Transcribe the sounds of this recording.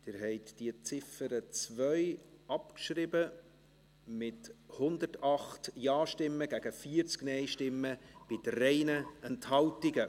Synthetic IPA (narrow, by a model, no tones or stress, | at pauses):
d̥ɪːɾɦɛɪtd̥iət͡sɪfəɾət͡svœʏɑpkʃɾɪbə | mɪthʊnd̪ətɑχtjɑːʃtɪmːəɡ̥æɡ̥əfiəɾt͡sknɛɪʃtɪmːəb̥ɪdəɾɛɪnəɛnthɑltiɡə